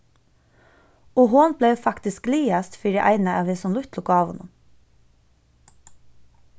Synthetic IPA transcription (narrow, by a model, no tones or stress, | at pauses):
oːhʊnbleːfɑkt̪ɪskliːɑst̪fiːɖiːʔæɪnəɑːʋeːsɔmlʊt̪lʊkːɑːʋhʊ̰nʊ̰m